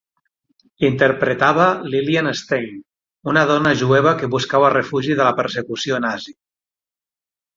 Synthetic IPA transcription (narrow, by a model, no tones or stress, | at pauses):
int̪əɾpɾət̪aβ̞alilianest̪ejn | unaðɔnaʒuɛβ̞akeβuskaβarefuʒiðəlapəɾsəkusioenazi